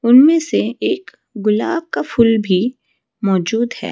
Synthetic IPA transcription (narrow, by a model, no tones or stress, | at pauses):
ʊnmẽseeːk | ɡʊlaːbkafʰʊlbʱi | mɔːd͡ʒuːd̪hɛ̰ː